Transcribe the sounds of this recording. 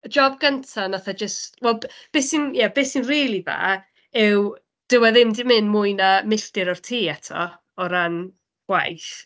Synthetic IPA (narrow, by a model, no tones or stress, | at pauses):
əd͡ʒɔb̚ɡəntʰanaθad͡ʒəstwɛlˠbb̥eːsinjabeːsinriːlˠiva̰ː | ɪw | d̥əwɛðɪmdɪmɪnmuɨnamɪɬtɨɾɔr̥tʰiːɛtʰɔ̰ | ɔɾan | ɡ̥wa̰jθ